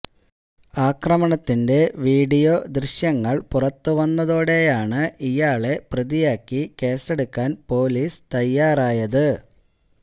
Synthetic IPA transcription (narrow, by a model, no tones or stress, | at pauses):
aːkrɐmɐɳɐt̪ːinde̞ʋiːɖijo̞ːd̪riɕjɐŋːɐɭpurɐt̪ːɨʋɐnːɐðo̞ːɽe̞jaːɳɨijaːɭe̞prɐðijaːkːike̞ːse̞ɽukːaːnpo̞ːliːst̪ɐjːaːraːjɐðɨ